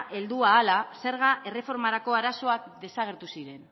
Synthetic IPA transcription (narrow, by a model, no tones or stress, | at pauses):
ʔe̞ld̪uaːlase̞ɾɣ̞aʔe̞re̞fo̞ɾmaɾako̞aɾaso̞akd̪e̞saɣ̞e̞ɾt̪usiɾe̞n